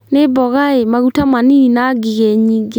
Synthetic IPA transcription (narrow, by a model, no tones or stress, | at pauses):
nebɔɣaemaɣutamaniinaɡiɣɛɲiːɡe